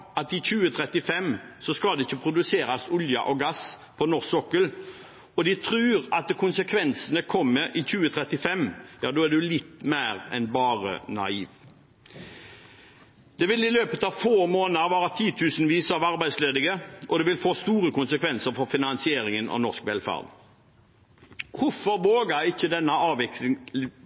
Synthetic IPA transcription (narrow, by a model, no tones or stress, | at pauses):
ɑt̪ɪçʉːət̪ʰɾɛt̪ɪfɛmːsɔskɑld̪ɛɪçːəpʰɾʊd̪ʉseːɾɑsʊljɑ̰ʔɔɡɑspʰɔnɔʁsɔkːəl | ɔd̪ɪt̪ʰɾʉːʁɑt̪̚kʰʊnsəkʰʋɛnsənəkʰɔmːəʔɪçʉːət̪ʰɾɛt̪ɪfɛmːjɑːd̪oːæd̪ɛlɪt̪ːmæɪʁɛ̰nbɑːʁə̰nɑ̰iːʋ | d̪̥ɛʋɪlɪløːpət̪ɑfoːmoːnəʋɑːɾət̪ʰiːt̪ʰʉːsnʋiːsɑʋɑɾbæɪsleːd̪ɪɡəʔɔd̪ɛʋɪlfoːst̪uːɾəkʊnsəkʰʋɛnsəɾfɔɾfɪnɑnsɪeːɾɪŋənɑ̰nɔskʋɛlfæ̰ːʁd̪ | kʰʊfɔɾʋoːɡəɪçːəd̪ɛnːəɑːʋɪklɪ